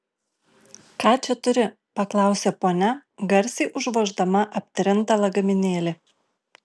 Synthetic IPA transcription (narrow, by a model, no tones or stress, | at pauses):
kɑːt͡ʃʲɛt̪ʊɾʲɪ | pɐklˠɑˑʊsʲeːpoːnʲɛɡɐɾʲsʲiːʔʊʒʋoːʒd̪ɐmɐʔɐpʲt̪ʲɾʲɪnˑt̪ɐlˠɐɡɐmʲɪnʲeːlʲɪ